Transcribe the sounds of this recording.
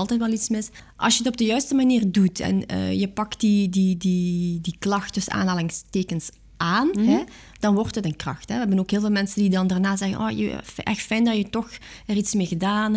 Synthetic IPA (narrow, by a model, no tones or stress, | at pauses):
lˠtɛjt̬ʋɛlˠitsmɪs | ʔɑ̰lˠsjəətɔb̚dəjœɥstəmaniːrdutɛ̰nə̰ːjəpɑkt̚didididiklɑxt̚dɵsa̰ːnɦaːlɪŋsteːkəns | ʔaːnɦɛ | d̥ɑnʋɔrtɦətənkrɑ̰xtɦɛʋəɛbənoːkɦɪːlˠveːlˠmɛnsəndidɑndaːrnaːzɛɣə̰nʔo̰ːjə̰ɛ̰xtfɛjndɑjətɔxɛritsmeːɣədaːn